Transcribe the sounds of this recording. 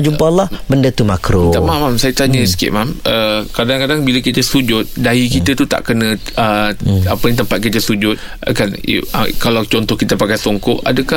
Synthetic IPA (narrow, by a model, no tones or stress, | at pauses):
d͡ʒumpalahbəndət̪umakɾot̪amamamsajət̪aɲəsə̥kɪ̰ʔ̚mamʔəkadaŋkadaŋbiləkit̪əsud͡ʒʊt̪̚daikit̪ət̪ut̪a̰ʔkənə̃ | əapəɲt̪əmpat̪̚kit̪əsud͡ʒʊt̪̚ | a̰kan̰kalawt͡ʃɔnt̪ɔhkit̪əpakajsoŋkɔʔadəkah